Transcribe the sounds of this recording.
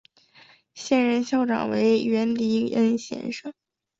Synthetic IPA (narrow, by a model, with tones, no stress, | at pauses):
ɕjɛ˥˧nɻə˧nɕjɑ˥˩ʊʈ͡ʂɑ̰˨˩ŋwe˧˥ɪɥɛ˧˥nli˧˥ə˥nɕjɛ̰˧˩nʂɤ˥˩ŋ